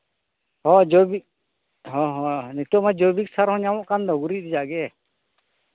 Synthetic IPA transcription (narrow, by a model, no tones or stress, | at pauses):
hɔ̃d͡ʒobi | ɦɔ̃ɦɔ̃nit̪umad͡ʒobik̚saɾɦɔ̃ɲawɔ̃ʔkand̪ɔɡuɾit̚d̪id͡ʒaʔɡɛ